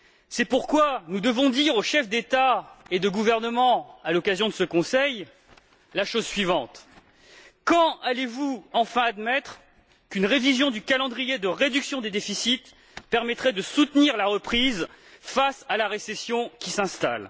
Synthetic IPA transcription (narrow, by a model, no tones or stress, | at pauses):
sɛpuʁkwanud̪əvɔ̃d̪iʁoʃɛfd̪et̪aed̪əɡuvɛʁnəmɑ̃alɔkazjɔ̃d̪əsəkɔ̃sɛj | laʃozsɥivɑ̃t̪ | kɑ̃alevuɑ̃fɛ̃ad̪mɛt̪χ | kynʁevizjɔ̃d̪ykalɑ̃d̪ʁijed̪əʁed̪yksjɔ̃d̪ed̪efisit̪ | pɛʁmɛt̪χɛd̪əsut̪niʁlaʁəpχiz | fasalaʁesesjɔ̃kʲisɛ̃st̪a̰l